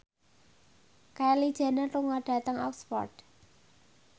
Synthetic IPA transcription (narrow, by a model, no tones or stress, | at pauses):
kalid̥ʒ̥a̤neruŋɔɖ̥a̤t̪əŋɔkspɔ̰rt